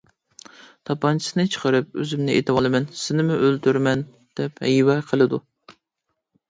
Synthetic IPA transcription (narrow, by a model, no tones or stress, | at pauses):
t̪ʰɑpɑnt͡ʃʰi̥sɨnɨt͡ʃʰə̥qʰəɾɨp̚øzɪmnɪʔet̪ʰɨwɑlˠɨmɛnsɪnɪmuʔølt̪ʰyɾmɛn | d̪̥ɛphɛ̰jwɛqʰəlˠɨd̪u